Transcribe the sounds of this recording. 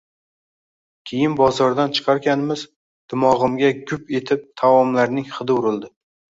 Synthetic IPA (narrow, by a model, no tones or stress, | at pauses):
kʲʰejɪnbɒzɒɾd̪ant͡ʃʰɨ̥qʰɑɾɡʲanɪmɪz | d̪̥ɪmɒʁɨmɡʲaɡʲʊpe̞t̪ʰɪp̚t̪ʰavɒmlaɾnɪŋχɨd̪ɨʊɾɪlˠd̪ɪ